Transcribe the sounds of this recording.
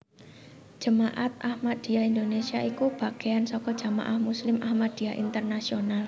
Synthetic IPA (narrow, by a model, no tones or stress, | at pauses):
d͡ʒ̥ə̤maʔat̪̚ʔahmad̪̥i̤aind̪onesiaikub̥a̤ɡ̥eansɔkɔd̥d͡ʒ̥a̤ma̰ʔahmuslɪmʔahmad̪̥i̤aʔḭnt̪ərnasional